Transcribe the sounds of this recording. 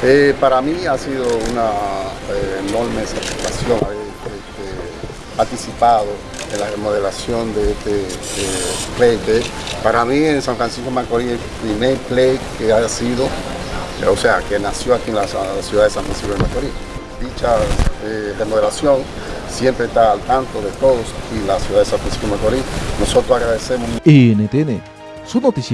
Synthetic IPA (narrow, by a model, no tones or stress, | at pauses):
epaɾamiasiðounaeːno̞ɾmeset̪ifi̥kasjoŋaβe | et̪e | paɾt̪isipaðo̞ | enlaremoðelasjo̞nd̪eest̪e | plejt̪epaɾamiensaɱfɾansikomakoɾie | pɾimeɾplekeaasiðo | oseakenasjoakienlassjuðaðesaɱfɾansipjoemakoɾid̪it͡ʃasedemoðelasjo̞ŋ | sje̞mpɾest̪aːlt̪ant̪o̞ðet̪oðosilasjuðaðesaɱfɾansi̥pjomakoɾino̞so̞t̪ɾosaɣɾaðesemoenet̪ene | sunot̪is